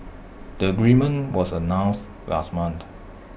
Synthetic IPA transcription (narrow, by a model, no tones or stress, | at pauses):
d̥əəɡɹĩmə̃nwɔsənãws | wɛ̰smə̃nt